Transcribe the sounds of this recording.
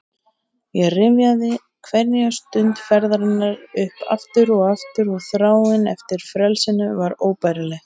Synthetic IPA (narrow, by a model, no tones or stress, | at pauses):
jɛɣrɪvjaðɪ | kʰvɛɾnijast̪ʏnt̪fɛɾðɾɪnːaɾʏhpa̰ft̪ʏɾɔɣaft̪ʏɾɔɣθɾaːwɪnɛft̪ɪɾ̥fɾɛlsɪnʏvaɾoːwpajɾalɛɣ